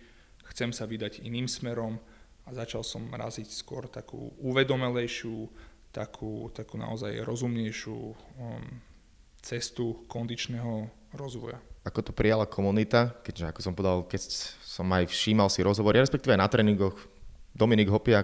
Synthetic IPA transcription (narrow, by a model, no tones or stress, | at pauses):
xt͡sɛmsaʋid̪aɟiniːmsmɛɾɔm | azat͡ʃalsɔmɾa̰zicskʊɔɾt̪akṵːuʋɛd̪ɔmɛlɛjʃut̪akʰuːt̪akuːna̰ɔzajɾɔzumɲɛjʃṵː | t͡sɛst̪ukɔnd̪it͡ʃnɛːɦɔ | ɾɔzʋɔ̰ja̰akɔt̪ɔpɾijalakʰɔmunit̪akɛʒɛakɔ̥sɔmpɔɛd̪alkɛsɔmajfʃiːmalsiɾɔzɦɔʋɔɾiɾɛspɛk̚t̪iːʋɛanat̪ɾɛːniŋɡɔx | d̪ɔminiɡɦɔpia